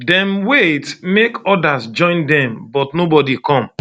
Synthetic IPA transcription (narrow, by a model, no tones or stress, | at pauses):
dɛ̃nwetmekɔdasd͡ʒɔ̃ɪ̃ndɛ̃mbɔtnobɔdikɔ̃m